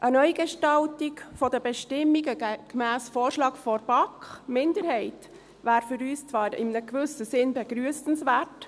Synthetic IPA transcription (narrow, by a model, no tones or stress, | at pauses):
ʔənœʏɡɛʃtɑltikfɔdəbɛʃtɪmːiɡəkmæːsfoːɾʃlɑːɡ̥fɔɾb̥ɑkχmɪndəɾhɛɪt | ʋæːɾfʏɾyːst͡sʋɑːɾɪ̰mnəɡʋɵsəsɪnbɛɡɾyəsən̩sʋæːrt